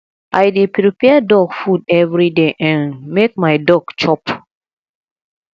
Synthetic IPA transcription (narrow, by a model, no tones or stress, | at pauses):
ʔajdepɾipɛdɔɡfudɛvɹideʔãnmek̚maɪdɔɡ̥t͡ʃɔp